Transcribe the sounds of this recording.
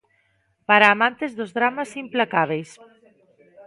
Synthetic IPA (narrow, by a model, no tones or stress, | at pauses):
paɾaːmãnt̪ezðʊzðɾamasimplakaβ̞ejs